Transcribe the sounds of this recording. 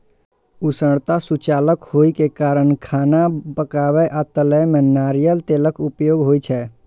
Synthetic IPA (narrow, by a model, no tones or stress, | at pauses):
ʊsəɽt̪asʊt͡ʃaːləkhoːikekaːɾəɳkʰaːnabəkaːweʔət̪ələmẽnaːɾijəlt̪eːləkʊpjoːɡɦoːit͡ʃʰɛː